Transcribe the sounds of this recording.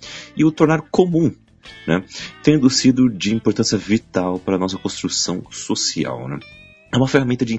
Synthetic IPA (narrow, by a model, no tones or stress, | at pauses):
ɪʊt̪oɾnaɾkomũ | nɛ̰̃t̪ẽd̪ʊsid̪ʊd͡ʒɪĩmpoɾt̪ɐ̃sjɐvit̪awpaɾɐnɔsɐkõst̪ɾusɐ̃w̃sosia̰wnɛ̰̃ | ɛũmɐfeɦamẽnt̪ɐd͡ʒɪĩ